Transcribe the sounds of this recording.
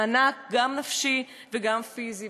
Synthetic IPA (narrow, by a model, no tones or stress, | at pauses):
anak̚ɡamnafʃi | veɡamfizi